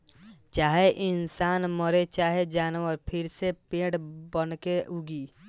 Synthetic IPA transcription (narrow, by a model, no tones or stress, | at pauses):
t͡ʃaːɦeʔɪnsaːnməɾet͡ʃaːɦed͡ʒaːnwəɾpʰɪɾsepẽːɽbənkeʊɡiː